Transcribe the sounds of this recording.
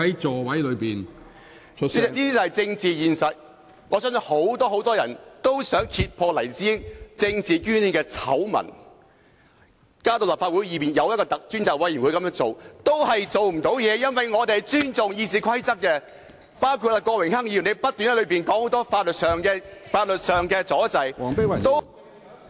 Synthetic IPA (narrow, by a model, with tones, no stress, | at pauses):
ɐ˨˦jt͡sɔː˨wɐ˨˥jlɵ˨˧ɥpiː˨n | t͡ʃʰniː˥i˥t͡sɐ˨hɐ˨jt͡sɪ˧ŋt͡siː˨˧jiː˨nsɐ˨t̚ | ŋɔː˨˧sœː˥ŋ˨˥ho˨˥wt̪ɔː˥ho˨˥wt̪ɔː˥jɐ̰˨˩nt̪o˥wsœː˨˥ŋkʰiː˧t̚pʰɔː˧lɐ˨˩jt͡siː˥t͡sɪ˧ŋt͡siː˨kyː˥ni˧˩kɛː˧t͡sʰɐ̰˨˥wmɐ̰˨˩n | kaː˥t̪o˨wlɐ˨˩pfaː˧wuː˨˥jiː˨˧piː˨njɐ˨˧wjɐ˥kɔː˧t̪ɐ˨k̚t͡ʃyː˥nt͡saː˨˩kwɐ˧˥ji˨˩nwu˨˧jkɐ˧˥jœː˥ŋt͡so˨wt̪o˥whɐ˨jt͡so˨wm̩˨˩t̪o˨˥wjɛː˨˧jɐ˥nwɐ˨jŋɔː˨˧t̪e˨t͡ʃyː˥nt͡sʊ˨ŋjiː˧t͡siː˨˩kʷʰɐ˥jt͡sɐ˥k̚kːɛ˧ | paː˥wkʰu˧t̚laː˧kʷɔː˧wɪ˨˩ŋhɐ˥ŋji˧˨˩ne˨˧jpɐ˥t̚t̪yː˨nhɐ˦˥lɥpiː˨˩nkɔː˨˥ŋho˨˥wt̪ɔː˥faː˧t̚lɵ˨t̚sœː˨ŋkɛ˧faː˧t̚lɵ˨t̚sœː˨˩ŋkɛː˧t͡sɔː˨˥t͡sɐ˨˧jɔ˨˥˨t̪o˥w